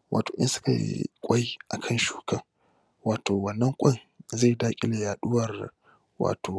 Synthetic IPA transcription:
wʔa̰ː˨toː˨ʔɪ̰˦nsʊ̥˦ka̰˨kʷʼa˦jʔa˨kʰɐ˦˨nʃu̥ː˦kɐ˦ŋ | waː˨toː˨wɐ˦˨nːɐ˦ŋkʷʼɐ˦˨ŋ | za˦˨jdaː˦kʲʼɪ̰˦le˨jaː˨ɗʊ˦wɐ˦˨r | wa̰ː˨tʰoː˨

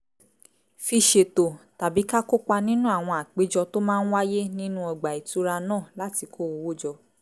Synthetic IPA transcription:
fi˧ʃe˨to˨ta˨bi˨˦ka˦ko˦k͡pa˧nĩ˦nũ˦a˦˨w̃ɔ̃˧a˨k͡pe˨˦d͡ʒɔ˧to˦mãː˦n̩˦wa˦je˦nĩ˦nũ˦ɔ˧ɡ͡ba˨i˨tu˨˦ɾa˧nãː˦˨la˦ti˧ko˦o˨˧wo˦˨d͡ʒɔ˧

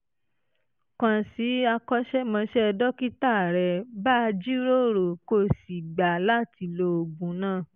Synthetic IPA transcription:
kã˨si˨˦a˧kɔ˦ʃɛ˦mã˧˦ʃɛ˦˧dɔ˦ki˦ta˦˨ɾɛ˧ba˦˧d͡ʒi˦ɾo˦ɾo˨ko˦˨si˨ɡ͡ba˨la˦ti˧lo˧o˨ɡũ˨˦nãː˦˨

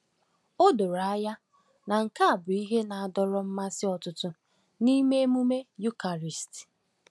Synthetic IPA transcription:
o˦do˨ɾa˨˦ja˦ | na˨ŋ̩˨ka˦a˨bʊ˨i˦ɦe˦na˨a˨dɔ˦ɾɔ˦m̩˦ma˦sɪ˦ɔ˨tʊ˦tʊ˦ | ni˦me˦e˦mu˦me˦ju˦ka˨ɾi˨st

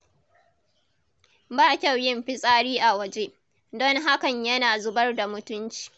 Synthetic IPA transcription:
baː˦kʲa˦˨wjɪ˦mɸɪ˦sʼaː˦ɽiː˦ʔa˨wɐ˨d͡ʒe˦ | dɔ˦ŋɦa˦kɐ˨ɲjɐ˦naː˨zʊ˦bɐ˦rda˨mʊ˦tʊ˦nt͡ʃi̥ː˨

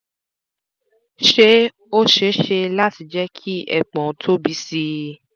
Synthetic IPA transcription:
ʃe˦ | o˦ʃe˨˦ʃe˧la˦ti˨˧˦d͡ʒɛ˦kʰi˦ɛ̰˦˨k͡pɔ̃˨˦tʰo˦bi˧si˧˦

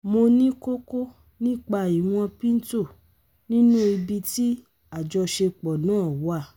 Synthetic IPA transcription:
mo˧nĩ˦ko˦ko˦ | nĩ˦k͡pa˧i˨w̃ɔ̃˧pĩ˦n̩˦to˦˨ | nĩ˦nũ˦i˧bi˧ti˦ | a˨d͡ʒɔ˧ʃe˧k͡pɔ˨nãː˨˦˨wa˦˨

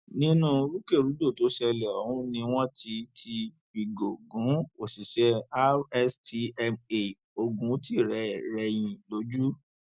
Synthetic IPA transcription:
nĩ˦nũ˦ɾu˦ke˦˨ɾu˨˦do˦˨to˨˦ʃɛ˧lɛ˨ɔ˨hũ˦nĩ˧w̃ɔ̃˦tʰi˧tʰi˧ | i˨ɡo˨ɡũ˨˦o˨si˨ʃɛ˧a˦ɛ˦sti˧ɛ˧me˨ | o˧ɡũ˨˦ti˦˨ɾɛ˧˦˨ɾɛ˧j̃ĩ˨lo˨˦d͡ʒu˦

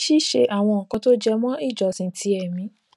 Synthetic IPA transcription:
ʃi˦˨ʃe˧ʔa˨w̃ɔ̃˧ɔ˨kɔ̃˧to˦d͡ʒɛ˧mɔ̃˦i˦˨d͡ʒɔ˨sĩ˧˦tʰi˧˦ɛ˨mĩ˨˦

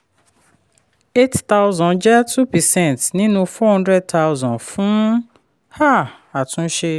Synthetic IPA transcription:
e˦tta˦ʊzɔ̃˨nd͡ʒɛ˦tʰu˦pɛ˨sɛ̃˦˨ntnĩ˦nũ˦fɔ˦ɦɔ̃˦ndɾɛ˦d̚tʰa˦ʊ˦zɔ̃˨nfu˦n | ha˦ | a˨tʰʊ̃˦n̩˦ʃe˦

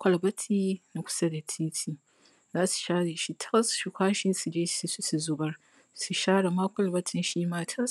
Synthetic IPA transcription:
kʷɐ˨lbɐ˦tʰiː˦na˦kʷʊ̥˦sɐ˦da˨tʰiː˦tʰiː˨ | zaː˦su̥˨ʃaː˦ɽe˨ʃi˦tʰɐ˦sʃi˨kʷaː˦ʃɪ˦nsu˨d͡ʒeː˦˨˦su˨zʊ˨bɐ˦r | su˨ʃaː˦ɽa˨ma˦kʷɐ˨lbɐ˦tʰɪ˨nʃi˦maː˦tʰɐ˦s

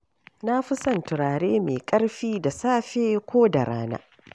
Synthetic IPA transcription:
na˦ɸɪ˦sɐ˨ntʊ˨ɽaː˨ɽeː˦meː˨kʼɐ˦ɽɸiː˦da˨saː˦ɸeː˦kʷoː˦da˨ɽa̰ː˦na̰ː˦

